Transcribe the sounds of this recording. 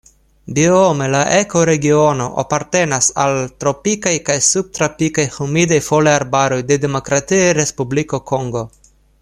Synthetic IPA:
biomelaʔeko̞ɾe̞ɡiono̞ʔa̰paɾt̪e̞nasalt̪ɾo̞pikajkajsub̚t̪ɾapikajhumid̪ajfoleaɾbaɾo̞jd̪e̞d̪emo̞kɾat̪ieɾespubliko̞kʰoŋɡo̞

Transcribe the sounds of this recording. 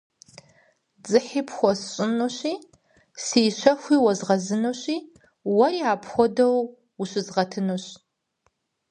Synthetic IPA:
d͡zʼɨħiːpʰxʷɔsɕʼɪnuɕiː | siːɕɐxʷiːwɐzʁɐzɨnuːɕiː | wɐriːaːpʰxʷɔdɐw | uɕɨzʁɐtʰɨnuɕ

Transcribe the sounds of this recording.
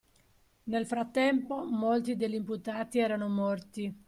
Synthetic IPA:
nelfɾat̪ːɛmpomolt̪id̪eʎːimput̪aːt̪iɛːɾanomɔrt̪i

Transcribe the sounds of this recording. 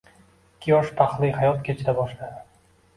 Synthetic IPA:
ɪkʲʰːijɒʃpʰaχlˠijhajɒt̪kʲʰet͡ʃʰɪd̪abɒʃlad̪ɪ

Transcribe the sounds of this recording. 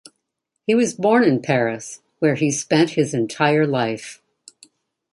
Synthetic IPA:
hiwʌzbɔɹnɨ̃npʰɛɹɨs | wə˞ispɛ̃nt̚hɨzɨ̃ntʰaɪə˞laɪf

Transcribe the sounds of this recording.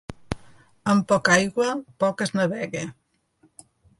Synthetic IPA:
əmpɔkajɣwəpɔkəznəβɛɣe

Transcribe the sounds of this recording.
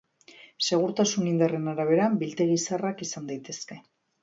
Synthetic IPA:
se̞ɣ̞uɾt̪asunind̪are̞naɾaβ̞e̞ɾambilt̪e̞ɣ̞isarakisand̪ajt̪e̞ske̞

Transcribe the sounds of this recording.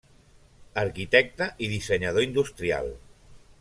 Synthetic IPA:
əɾkit̪ɛk̚t̪əʔiðisəɲəð̞oind̪ust̪ɾia̰lˠ

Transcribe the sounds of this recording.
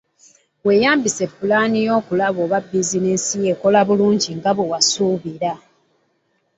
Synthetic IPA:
we̞jaːmbise̞pːulaːnijo̞ːkulaβo̞ːβabːizinisijeko̞laβuluːɲɟiŋɡaβewasuːβiɾa

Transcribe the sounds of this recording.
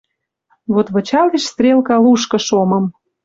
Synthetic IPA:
βot̪βɤ̆t͡ɕɑliʃst̪rʲelkɑluʃkɤ̆ʃomɤ̆m

